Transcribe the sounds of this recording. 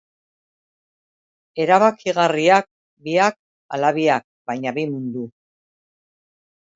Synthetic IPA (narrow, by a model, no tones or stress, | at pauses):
e̞ɾaβakiɣariak̚ | biak̚ | a̰laβiak̚bajɲaβimund̪u